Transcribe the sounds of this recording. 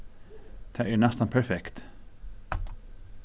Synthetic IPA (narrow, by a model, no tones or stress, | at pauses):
d̪̥ʰɛæɳɛst̪anpʰæɾfɛkt̪